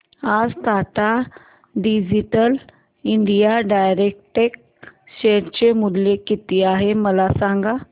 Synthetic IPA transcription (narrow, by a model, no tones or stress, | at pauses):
ad͡zt̪at̪a | ɖid͡ʑiʈəl | iɳɖijaɖajɾek̚ʈek̚ | ɕeʈt͡ɕemud̪lekit̪iaɦeməlasaŋɡa